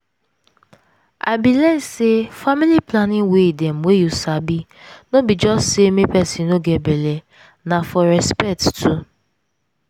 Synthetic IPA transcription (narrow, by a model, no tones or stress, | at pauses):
a̰bilɛsefamiliplanĩwedɛm̩wejusabi | nobid͡ʒɔssemĩpɛsĩnoɡebele | nãfɔɾɛspɛk̚ttʰu